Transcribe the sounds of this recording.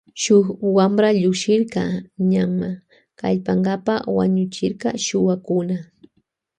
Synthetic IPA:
ʃʊkwamɾaʎʊkʃɪɾkɑɲama | ka̰ʎpaŋɡapawa̰ɲʊt͡ʃɪɾkɑʃʊwakʊna

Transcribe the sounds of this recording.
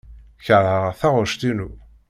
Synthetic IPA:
çəɾhəʁθaʁʊɾʃt̪inu

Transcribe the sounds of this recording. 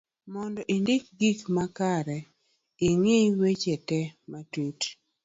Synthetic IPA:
mɔndɔʔindɪk̚ɡikmakaɾɛ | iŋewet͡ʃɛtɛmatut

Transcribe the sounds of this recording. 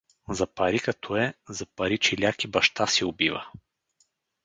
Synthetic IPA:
zɐpɐɾikɐt̪ʰɔɛzɐpɐɾit͡ʃɛlʲjakibɐʃt̪asiʊbivə̰

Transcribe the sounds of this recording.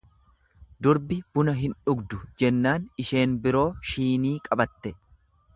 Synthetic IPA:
d̪ʊɾbɪb̥ʊnɐɦɪnᶑʊɡd̪ʊd͡ʒɛnːaːnɪʃe̞ːnbɪɾo̞ːʃiːniːkʼɐbɐt̪ːɛ

